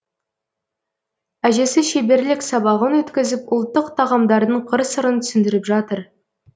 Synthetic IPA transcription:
æʒe̞sɪʃebe̞ɾlɪksɑbɑʁənwɵt̪kʲɪzɪpʊlˠt̪ːəqt̪ʰɑʁɑmd̪ɑɾd̪əɴqʰəɾsəɾənt̪ʰʏ̥sɪnd̪ɪɾɪpʒɑt̪əɾ

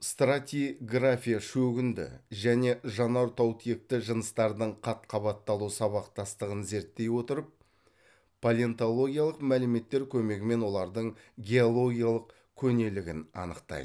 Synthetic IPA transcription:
st̪rat̪ʲijɡrafʲijaʃɵɡʲɪnd̪ɪ̰ʒæne̞ʒɑnɑɾt̪ʰɑwt̪ʰije̞k̚t̪ɪʒənəst̪ɑɾd̪əɴqʰɑt̪qʰɑβɑt̪ːɑlˠusɑβɑqt̪ɑst̪əʁənze̞ɾt̪ːe̞jwo̞t̪əɾəpː | olʲeent̪o̞lˠo̞ɡʲijalˠəqmælɪme̞t̪ːe̞ɾkʲʰɵme̞ɡʲɪme̞nwo̞lˠɑɾd̪əɴ | ɡʲe̞olˠo̞ɡʲijalˠəq | kʲʰɵne̞lɪɡʲɪnɑ̰nəqt̪ɑ̰jd̪ə

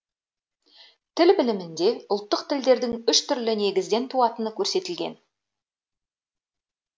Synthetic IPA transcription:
t̪ʰɪlbɪlɪmɪnd̪e̞ʊlˠt̪ːəqt̪ʰɪld̪e̞ɾd̪ɪŋʏʃt̪ʰʏɾlɪne̞ɡʲɪzd̪e̞nt̪ʰuɑt̪ənəkʲʰɵɾse̞t̪ɪlɡʲe̞̰n

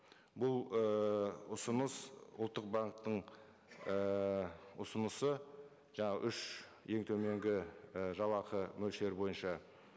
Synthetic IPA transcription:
bʊlˠəʊsənəsʊ̰lˠt̪ːəq̚bɑɴq̚t̪ːəɴ | ə | ʊsənəsə | ʒɑɴɑʁə̰ʔʏʃje̞ŋt̪ʰɵme̞ŋɡʲɪʒɑlˠɑqʰəmɵlʃleɾbo̞jənʃɑ

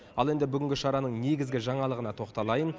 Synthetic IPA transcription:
ɑlˠe̞nd̪ɪbʏɡʲɪŋɡʲɪʃɑɾɑnəɴne̞ɡʲɪzɡʲɪʒɑɴɑlˠəʁənɑt̪ʰo̞qt̪ɑlˠɑjən

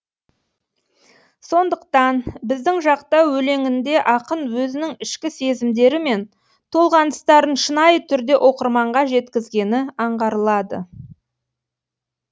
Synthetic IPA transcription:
so̞nd̪əq̚t̪ɑnbɪzd̪ɪŋʒɑqt̪ɑwwɵle̞ŋɪnd̪e̞ʔɑqənwɵzɪnɪŋɪʃkʲɪse̞zɪmd̪e̞ɾɪme̞n | t̪ʰo̞lˠʁɑnd̪əst̪ɑɾənʃənɑjət̪ʰʏɾd̪e̞ʔo̞qəɾmɑɴʁɑʒe̞t̪kʲɪzɡʲe̞nɪɑɴʁɑɾəlˠɑd̪ə̰

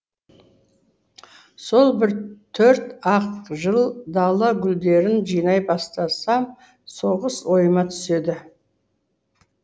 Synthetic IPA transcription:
so̞lˠbɪɾt̪ʰɵɾt̪ɑqʒəlˠd̪ɑlˠɑɡʲʏld̪e̞ɾɪnʒijnɑjbɑst̪ɑsɑm | so̞ʁəswo̞jəmɑt̪ʰʏ̥se̞d̪ɪ

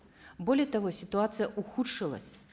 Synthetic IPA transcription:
bɔlʲɛjɛt̪aɣɔsʲit̪uat̪sɨjɐʔuxut͡ʂɨlˠɐ̰sʲ

